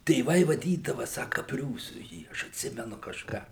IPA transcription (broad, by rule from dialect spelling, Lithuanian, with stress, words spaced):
tʲeːˈʋɐɪ ʋɐˈdʲiːdɐʋɐ ˈsɑːkɐ ˈpʲrʲuːsʊ ˈjiː ˈɐʃ ɐtʲˈsʲɪmʲɛnʊ kɐʃˈkɑː